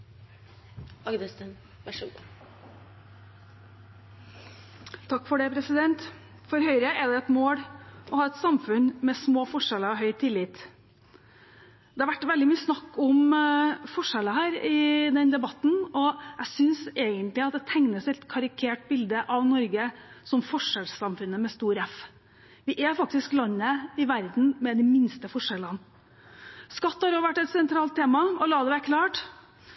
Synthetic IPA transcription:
ɑəsə | t̪ʰɑkːfɔɖɛpʰɾɛsɪd̪ɛnt̪ | fɔɾɦœʏɾəʔɛd̪ɛɛt̪moːɽɔhɑːɾɛt̪sɑmfʉnmɛsmoːfɔʂɛləɔɦœʏt̪ʰɪlːɪt̪ | d̪̥ɛːɑʋæʈːʋɛld̪ɪmyːəsnɑkːɔmfɔʂɛləɦæːɾɪd̪ɛnd̪ɛbɑt̪ːn̩ɔæsʏnseɡənt̪lɪɑt̪̚d̪ɛt̪ʰæŋnəsɛt̪kʰɑɾɪkʰeːʈ̚bɪld̪əʔɑʋnɔɾɡəsɔmfɔʂɛlssɑmfʉnːəmɛst̪uːɾɛf | ʋɪʔɛfɑk̚t̪ɪsklɑnːəɪʋæɾd̪n̩mɛd̪ɪmɪnst̪əfɔʂɛlən | skɑt̪ːhɑɾoːʋæʈːɛt̪sɛnt̪ʰɾɑːlt̪ʰːeːmɑɔlɑːd̪ɛʋækʰlɑːʈ

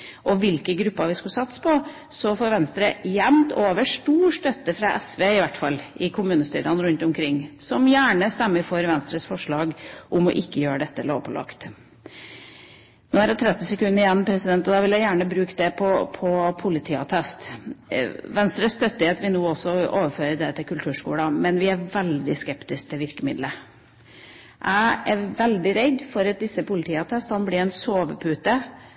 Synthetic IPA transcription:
ʔɔʋɪlkəɡɾʉpːɑʋɪskʉsɑt̪spʰɔ | sɔfoːɾʋɛnst̪ɾəjɛmt̪ʰoːʋəʂʈuːʂt̪œt̪ːəfɾɑʔɛsʋeːɪʋæʈfɑlːʔɪkʰʊmʉːnəst̪y̰ːɾɑnɾʉnt̪ʊmkʰɾɪŋːsɔmjæːɳəst̪ɛmːəɾfɔɾʋɛnst̪ɾəsfɔʂɭɑːɡʔʊmɔ̰ʔɪkːəjøːɾəɖ̪ɛt̪ːəloːʋpʰɔlɑ̰kt̪ | noːæɾæt̪ʰɾɛt̪ːɪsɛkʉnːəɾɪjɛnːpʰɾɛsɪd̪ɛnt̪ɔd̪ɑːʋɪljæɪjæːɳəbɾʉːkd̪ɛpʰɔpʰɔpʰʊlɪt̪ʰiːɑ̰t̪ʰɛst̪ | ʋɛnst̪ɾəst̪œt̪ːɪet̪ʋɪlnuːɔsːɔoːʋəføːɾəd̪ɛt̪ʰɪlkʰʉlt̪ʰʉːʂkṵːɽɑmɛnʋɪæɾʋɛld̪ɪskɛpt̪ɪsk̚t̪ʰɛʋɪɾkəmɪd̪lə | ʔæɪæɾʋɛld̪ɪɾɛd̪fɔɾɑt̪̚d̪ɪsːəpʊlɪt̪ʰiːɑt̪ʰɛst̪hɑnblɪɾɛɪnsoːʋəpʰʉːt̪ə

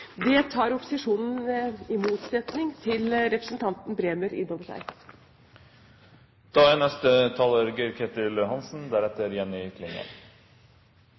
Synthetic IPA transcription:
d̪ɛt̪ʰɑːɾɔpʊ̥sɪʂuːnn̩ɪmuːt̪sɛt̪nɪŋt̪ʰɪlɾɛpɾəsn̩t̪ʰɑnt̪n̩bɾeːməɾɪ̰nːoːʋəʂæ̰ɪ | d̪̥ɑːænɛst̪ət̪ʰɑløːɾɡəɾkʰet̪ɪlɦɑnsn̩d̪æɾɛt̪ːəɾjɛnːɪkʰlɪnə̰

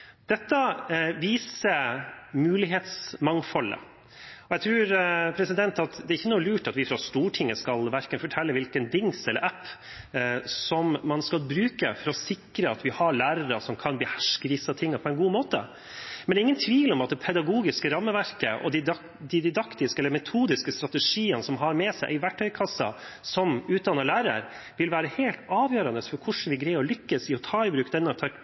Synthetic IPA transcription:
d̪̥ɛt̪ːɑʋiːsəmʉːlɪɦeːt̪smɑŋfɔlːə̰ | ɔjæɪt̪ʰɾʉːɾpʰɾɛsɪd̪ɛnt̪ɑt̪d̪ɛɾɪçːənuːəlʉːʈɑt̪ʋɪfɾɑst̪uːʈʰɪŋːəskɑlʋæɾkənfɔʈʰɛlːəʋɪlkənd̪ɪŋsɛlːə̰ɾʔæpː | sɔmːɑnskɑlbɾʉːkəfɔɾɔsɪkɾəɑt̪ʋɪhɑɭæːɾəɾəsɔmkʰɑnbəhæʂkəʋɪsɑt̪ʰɪŋːɑpʰɔɛnɡuːmoːt̪ə̰ | mɛnɛɪŋːənt̪ʰʋiːlɔmɑt̪̚d̪ɛpʰɛd̪ɑɡuːɡɪskəɾɑmːəʋæɾkəʔɔ̰d̪ɪ | d̪ɪd̪ɪd̪ɑkt̪ɪskəɛlːəɾmɛt̪ʰuːd̪ɪskəst̪ɾɑt̪əʂiːənsɔmɦɑɾmɛsæɪʔɪʋæʈʰːœʏkʰɑsːɑ̰ | sɔmʉːt̪̚d̪ɑnːɑlæːɾə̰ɾ | ʋɪlʋæːɾəheːlt̪ɑːʋjøːɾɑnəsfɔɾkʰʊʂɳ̩ʋɪɡɾæɪɔlʏkːəsɪɔt̪ʰɑːɪbɾʉːkd̪ɛnːɔt̪ʰɛ

